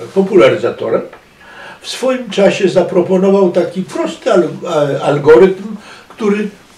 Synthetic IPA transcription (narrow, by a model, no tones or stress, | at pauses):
pɔpulaɾɘzat̪ɔ̰ɾɛm | fsfɔjimt͡ʂaɕɛzapɾɔpɔnɔvawt̪akʲipɾɔst̪ɪalalɡɔɾɘt̪mkt̪uɾɘ